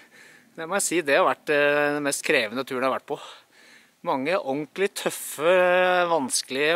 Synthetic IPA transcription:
jæmɔjæsiːd̪ɛhɑɾʋæʈ̪ːɛnmɛst̪kʰɾeːʋənət̪ʰʉːəɳ̩hɑɾʋæʈ̚ːpʰɔ | mɑŋːəʔɔŋklɪt̪ʰœfəʋɑnskəlɪə

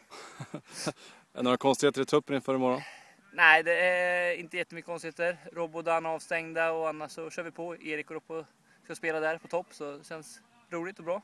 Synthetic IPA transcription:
ɛ̰noːɾakʰɔnst̪ɪheːt̪əɾɪt̪ʰɵpːəɾɪnfœːɾɪmɔɾɔn | næɪd̪ɛæɪnt̪əjɛt̪ːəmʏkːəkɔnst̪ɪheːt̪əɾɾɔbʊd̪anɑːvst̪ɛŋd̪aɔanːaʂːɔɕœːɾvɪpʰɔeːɾɪkɔɾɔpːɔ | skaspeːlad̪æɾpʰɔt̪ʰɔpːsɔɛɕɛns | ɾuːlɪt̪ɔbɾɑː

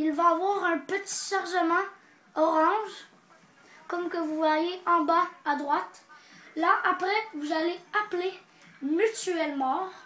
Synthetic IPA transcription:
ilvaːvwaːʁɛ̃pət̪i̥ʃaʁʒəmɑ̃ | ɔʁɑ̃ʒ | kɔmkəvuvwajeʔɑ̃baad̪ʁwat̪laʔapʁɛvuzaleaple | myt̪yɛlmɑ̃ʁ

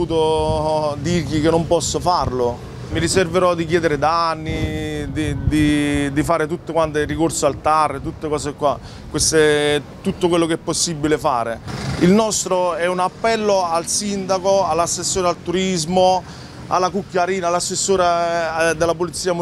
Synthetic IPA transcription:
uːt̪o | d̪irʎikenːompɔsːofarlo | miɾiserveɾɔd̪ik̟jɛːd̪eɾed̪anːid̪id̪id̪ifaːɾet̪ut̪ːokwant̪ɪrikorsoalt̪arːet̪ut̪ːekɔːsekwa | kwest̪et̪ut̪ːokwelːokeɛpːosːibːilefaːɾeilnɔst̪ɾoɛunapːɛlːoalsind̪akoalːasːesːoːɾealt̪uɾizmo | a̰lːakukːjaɾiːnalːasːesːoːɾad̪elːapolit̪sːiːamu

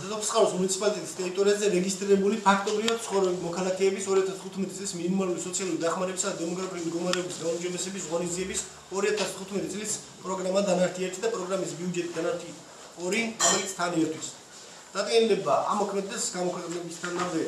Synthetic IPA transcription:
t̪ɔpʰsχʼalɔsmunit̪sʰi̥pʼalit̪ʼɛt̪ʼist̪ʼɛɾit̪ʼɔɾiazɛɾɛɡist̪ʼɾiɾɛbulipʰak̚ʰt̪ʼɔbɾivad̪̥t̪sʰχɔvɾɛbimɔkʰalˠakʰɛːbisɔɾiat̪ʰast̪ʰut̪ʰmɛt̪ʼit̪ʼlisminmalulisɔt̪sʰialˠuɾid̪aχmaɾɛbisad̪ad̪ɛmɔɡɾapʰiuimd̪ɡɔmaɾɛɔbisɡaumd͡ʒɔbɛsɛbisʁɔniziɛbis | ɔɾiat̪ʰast̪ʰχut̪ʰmɛt̪ʼit̪ʼlis | pʼɾɔɡɾamad̪anaɾt̪ʰiat̪ʰid̪apʼɾɔɡɾamisbiud͡ʒɛt̪ʼid̪anaɾt̪ʰi | ɔɾiɾɔmɛlit̪sʰt̪ʰaniɛt̪ʰwis | d̪̥at̪ʼkʼɛnilɛbaʔamɔkʰmɛd̪ɛsɡamɔkʰwɛqʼnɛbist̪ʰanamd̪ɛ

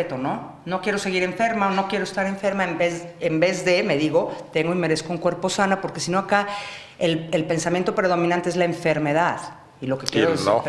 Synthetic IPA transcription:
et̪ono̞ | no̞kje̞ɾo̞se̞ɣiɾe̞ɱfe̞ɾmaono̞kje̞ɾoest̪aɾe̞ɱfe̞ɾmaembezembe̞zðe̞me̞ðiɣo̞t̪e̞ŋɡo̞ime̞ɾe̞skouŋkwe̞ɾpo̞sanapo̞ɾke̞sinoaka | elelpe̞nsamjent̪opɾe̞ðo̞minãnt̪eezlaeɱfe̞ɾme̞ðað | ilo̞kekjeɾoeo̰

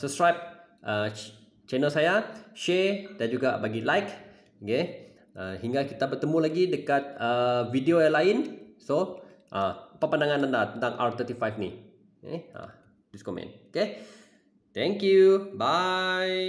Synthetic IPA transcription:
səp̚skɾajp̚ | ʔə | t͡ʃɛnəlsajaʃɛdand͡ʒuɡabaɡilajk | ke | ʔəhiŋɡakit̪abərt̪əmũlaɡidəkat̪̚əvidiojalaɪnsoʔapəpandaŋanandat̪ənt̪aŋʔa̰rt̪ət̪ifajfni | ḛa̰ | diskɔmɛ̰̃noke | t̪ɛŋkjubaj

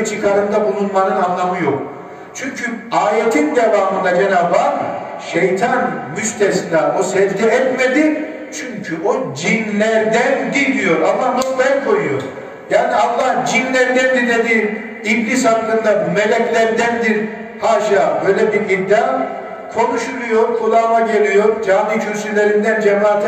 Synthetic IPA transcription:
t͡ʃʰɯkʰaɾɯnd̪abulunlˠaɾɯnanlˠamɯjok̚ | t͡ʃʰyɲcʰyaːjet̪ʰind̪evaːmɯnd̪ad͡ʒenaːba | ʃejt̪ʰanmyʃt̪ʰesinaosɛvd͡ʒ̪ɛɛt̪med̪i | t͡ʃʰyɲcʰyʔod͡ʒinlʲæɾd̪ænd̪iɾd̪ijo̞ɾamamoslˠajakʰo̞jujoɾ | jaːnialˠːahd͡ʒinlʲæɾd̪ænd̪iɾd̪ed̪i | iblʲishaklɯnd̪ame̞lʲɛclʲæɾd̪ænd̪iɾ | haːʃaːbøjlʲɛbiɾiɾd̪a | kʰo̞nuʃulˠujoɾkʰulˠaːlaɟe̞lʲijo̞ɾd͡ʒaːd̪icʰyɾsylʲe̞ɾind̪ænd͡ʒemaːt̪ʰ

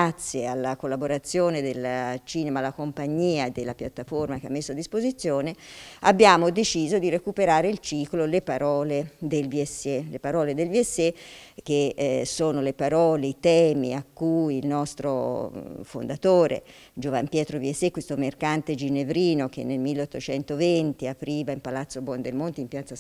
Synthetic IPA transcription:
at̪sːjealːakolːaboɾat̪sːjoːned̪elt͡ʃiːnemaːlːakompaɲːiːad̪elːapjat̪ːaformakeamːesːoad̪ːispozit̪sːjoːnea̰bːjaːmod̪et͡ʃiːzod̪irekupeɾaːɾeilt͡ʃiːklolepaɾɔːled̪elviɛsːelepaɾɔːled̪elviɛsːek̟ːesoːnolepaɾɔːleit̪ɛːmḭakːujilnɔst̪ɾo̰ | fo̰nd̪at̪oːɾḛ | d͡ʒova̰mpjɛːt̪ɾoviɛsːekwest̪omerkant̪ed͡ʒinevɾiːnok̟ḛnːelmilːeot̪ːot͡ʃɛnt̪ovent̪iapɾiːvaimpalat̪sːobwɔnd̪elmont̪impjat̪sa

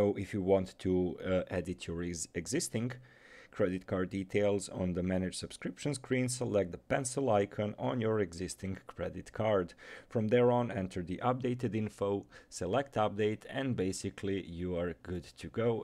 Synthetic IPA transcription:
oʊʔɪfjɨwɑ̃ntʰːuʔɛdɪtʰjɔɹɛɡzɪstɪ̃ŋ | kʰɹɛdɪt̚kʰɑɹd̚ːitʰeɪlˠzɔ̃nðəmænɨd͡ʒ̥sɨb̥skɹɪpʃə̃nskʰɹĩnsəlɛk̚tdəpɛ̃nsəl̩ˠaɪkʰə̃nə̃njəɹɛɡzɪstɪ̃ŋkʰɹɛdɪtkʰɑɹdfɹɔ̃mðɛɹɔ̃nɛ̃ntʰə˞ðiʔʌp̚deɪtɨdɪ̃nfoʊsɛlɛk̚tʌp̚deɪtɛ̃nbeɪsɪkʰlijuaɹɡʊdtʰɨɡoʊ

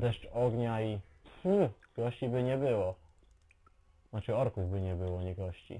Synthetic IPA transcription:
d̪ɛʂtɔɡɲai | ɡ̥ɔɕt͡ɕibɘɲɛbɘwɔ | nat͡ʂɘɔɾkuvbɘɲɛbɘwɔɲɛɡɔɕt͡ɕḭ

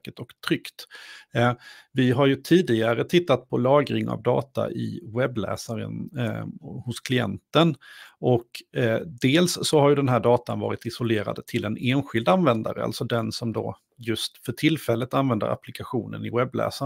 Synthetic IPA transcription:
kət̪ɔkt̪ʰɾʏkt̪ | vɪɦaɾjɵt̪ʰiːd̪ɪɡaɾət̪ʰɪt̪ːat̪̚pʰɔlɑːɡɾɪŋa̰vd̪ɑːt̪a̰ʔɪ̰wɛblɛ̰ːsaɾə̰n | hʊskʰlɪɛ̰nt̪ənʔɔkd̪eːlsːɔhaɾjɵd̪ɛnɦæːɖɑːt̪anvɑ̰ːɾɪt̪ɪsɔleːɾa̰d̪ət̪ʰɪlɛneːnɧɪld̪anvɛnd̪aɾəa̰lt̪sɔd̪ɛnsɔmd̪o̰ | jɵst̪fœʈʰɪlfɛlːət̪anvɛnd̪ə̰ɾʔa̰plɪkaɧuːnə̰nɪwɛbːlɛ̰ːsa

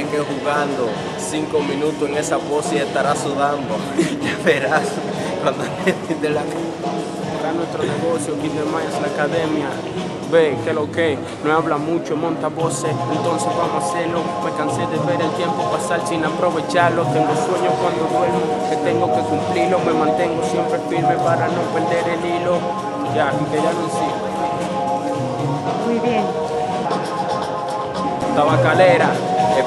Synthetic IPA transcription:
eŋɡehuɣand̪o | siŋkomĩnũt̪oseŋesaβosiest̪aɾasuðand̪o | ʝaβeɾas | raðament̪id̪elaki | a | ɾanwe̞st̪ɾoneɣo̞sjokid̪emaaslaːkaðemja | bekeloke | noaβlamut͡ʃomõnt̪aβo̞seent̪o̞nsezβamosaseɾlo̞mekanseðeβe̞ɾelt̪je̞mpopasalsinapɾoβet͡ʃaɾlokeŋloswe̞ɲoskwand̪oðwe̞lβoket̪eŋɡoke̞kumplilome̞mãnt̪e̞ŋɡosje̞mpɾefiɾmepaɾanopeɾd̪e̞ɾelilo | d͡ʒaikeʝanoensio | mujβjeŋ | t̪aβakaleɾa

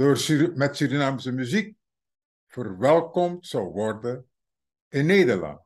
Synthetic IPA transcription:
doːrsmɛtsyɾinaːmsəmyzik̚ | fərʋɛlˠkɔmtsɑwʋɔrdə | ɪnːeːdərlɑ̰nt

